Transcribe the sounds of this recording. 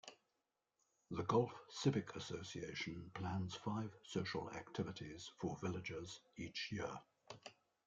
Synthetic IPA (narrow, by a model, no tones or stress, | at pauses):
ðəɡɒlˠfsɪbɪkʰəsəʊsieɪʃə̃npʰl̥ãnz̥faɪv̥səʊʃə̰la̰k̚tʰɪvɪtʰɪz̥fəvɪlɪd͡ʒɪz̥iˑt͡ʃjɪə